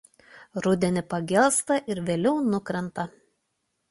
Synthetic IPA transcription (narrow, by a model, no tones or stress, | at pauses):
ɾʊd̪ʲɛnʲɪpɐɡʲɛlˠst̪ɐʔɪɾʋʲeːlʲɛʊnʊkɾʲɛnt̪ɐ